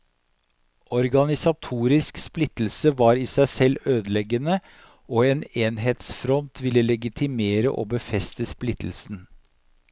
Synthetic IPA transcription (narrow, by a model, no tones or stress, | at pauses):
ɔɾɡɑnɪsɑt̪ʰuːɾɪsksplɪt̪l̩səʋɑːɾiːsæɪsɛløːd̪lɛɡənə | oːeːneːnɦeːt̪sfɾɔnt̪ʰʋɪlːəlɛɡɪt̪ʰɪmeːɾə̰ʔo̰ːbəfɛst̪əsplɪt̪l̩sn̩